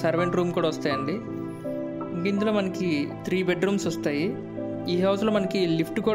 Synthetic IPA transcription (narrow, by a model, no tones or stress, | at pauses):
sɐɾʋeɳʈɾuːmkuːɽaːɔst̪aːjɐɳɖi | ɡind̪uloːmɐnɐkit̪ʰɾiːbeɖɾuːmsɔst̪aːji | iːɦɐwsloːmɐnɐkilipʰʈkuː